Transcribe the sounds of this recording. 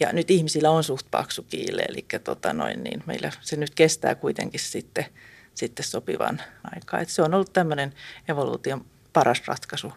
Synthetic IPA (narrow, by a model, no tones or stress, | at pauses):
jɑ̰nyt̪ihmisilːæonsuht̪̚pɑ̰ksukiːlːḛḛlʔikːæt̪ot̪ɑno̰innḭːnmḛilːæsenyt̪kest̪æ̰ːkuit̪ḛŋkissit̪ːe | sit̪ːessopiʋɑ̰nɑ̰ikɑ̰ːet̪seonolːut̪t̪æmːøneneʋolṵːt̪iom | pɑrɑsrɑ̰t̪kɑsu